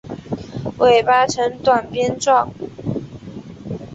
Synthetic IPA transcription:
wʔe˨˩ɪpa˥ʈ͡ʂʰə˧˥ŋt̪wa˨˩npjɛ˥nʈ͡ʂwɑ˥˨˩ŋ

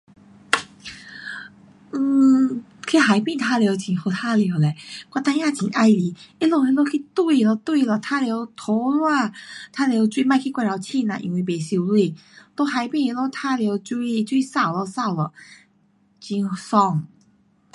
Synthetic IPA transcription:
kʰi˦˧˦ɦa˨˩jpĩ˥˧t̪ʰa˧ljo˧ʊt͡ɕĩ˨˩ho˨˧˩t̪ʰa˦lje˧˦wle˨kwa˧˩t̪ã˧ja˥˧˨t͡ɕĩ˨˦ʔa˧˩jli˨˦i˦lo˥˧i˧lo˧kʰi˧˦t̪wi˧lɔ˧t̪wi˥˧lɔ˨˩t̪ʰa˦lje˧˦ʊt̪ʰɔ˨˧˦lwa˥˧t̪ʰa˦˥lje˧˦ʊt͡swi˦˧˦ma˥˧˨kʰi˦˧kwa˧˩ɾa˧˩wt͡ɕʰi˥˧˨na̰˨ʔḭ˧nwi˧be˨˩ɕu˧lwi˥˧˨ | t̪o˧˦ɦa˨˧jpĩ˥˧e˧lo˧˦t̪ʰa˦lje˧˦wt͡ɕu˧i˦˧t͡ɕwi˧sa˥˩˨wlɔ˧sa˥˧˩wlɔ˨˩ | t͡ɕi˧n˧sɔ˧˩ŋ

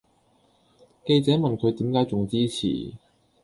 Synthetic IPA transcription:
ke˧jt͡sɛː˨˥mɐ˨nkʰɵ˨˧ɥt̪iː˨˥mkaː˨˥jt͡sʊ˨ŋt͡siː˥t͡sʰḭː˨˩

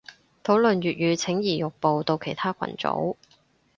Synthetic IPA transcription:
t̪ʰo˨˥wlɵ˨nɥyː˨t̚jyː˨˧t͡sʰɪ˨˥ŋjiː˨˩jʊ˨k̚po˨wt̪o˧wkʰe˨˩jt̪ʰaː˥kʷʰɐ̰˨˩nt͡so̰˨˥w

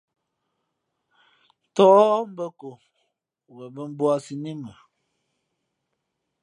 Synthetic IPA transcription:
tɔ˦m̩˦bə˦ko˨ | wɛ˨bə˦m̩˦bwa˦si˨ni˦mə˨

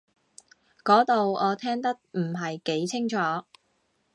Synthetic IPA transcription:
kɔː˨˥t̪o˨wɔː˨˧t̪ʰɛː˥ŋt̪ɐ˥k̚m̩˨˩ɦɐ˨jke˨˥jt͡sʰɪ˥ŋt͡ʃʰɔː˨˥

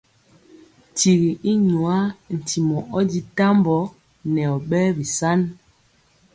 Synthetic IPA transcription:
ti˨ɣi˨ʔi˦ɲu˨a˦n̩˨ti˨mɔ˨ʔɔ˦di˦ta˦mbɔ˨˦ | nɛ˨ɔ˨ɓɛ˦bi˨sa˦n

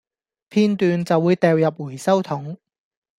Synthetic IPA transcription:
pʰiː˥nt̪yː˨nt͡sɐ˨wːuː˨˧jt̪ɛː˨˧wjɐ˨p̬̚wuː˨˩jsɐ˥wt̪ʰʊ˨˥ŋ

